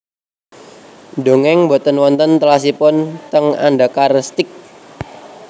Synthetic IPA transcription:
ɖo̤ŋɛŋbot̪ənwɔnt̪ənt̪əlas̬ipʊnt̪əŋa̰nɖakarst̪ɪk̚

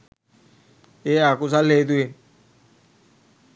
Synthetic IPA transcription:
eakus̬aled̪̬ue

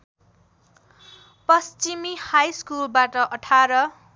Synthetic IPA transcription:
pʌst͡ʃimihajskulbaʈʌʔʌʈʰaɾʌ

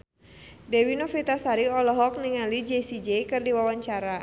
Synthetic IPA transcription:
dɛwinɔfit̪asaɾiɔlɔɦɔk̚niŋalid͡ʒɛsid͡ʒejkɨrdiwawaɲt͡ʃaɾa

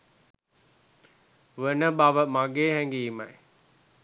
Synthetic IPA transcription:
ʋənəbaʋəmaɡeːɦɛŋɡiːmɐ̰j

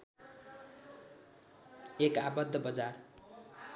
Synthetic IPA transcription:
ekabʌd̪ʱːʌbʌd͡zar

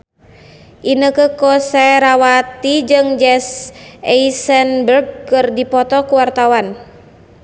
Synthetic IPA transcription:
ʔinəkəkɔsɛɾawat̪id͡ʒɨŋd͡ʒɛsɛisɛnbərɡ̚kɨrdipɔt̪ɔkuwart̪awan

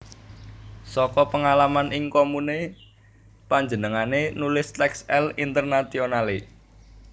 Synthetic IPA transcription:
sɔkɔpəŋalamanʔɪŋkomune | paɲd͡ʒənəŋanenulɪst̪ɛksɛlint̪ərnat̪ionale

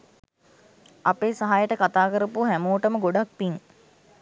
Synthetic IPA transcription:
apeːsaɦajəʈəkat̪aːkəɾəpuɦæmuːʈəməɡoɖak̚piŋ

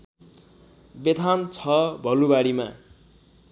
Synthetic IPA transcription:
bet̪ant͡sʰʌbʱʌlubaɽima̰

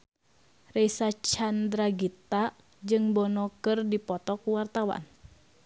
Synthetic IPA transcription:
rɛisat͡ʃand̪ɾaɡit̪a | d͡ʒɨŋbɔnɔkɨrdipɔt̪ɔkuwart̪awa̰n

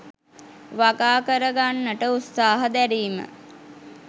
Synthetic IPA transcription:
ʋaɡaːkəɾəɡanːəʈəut̪saːɦəd̪æɾiːmə̰

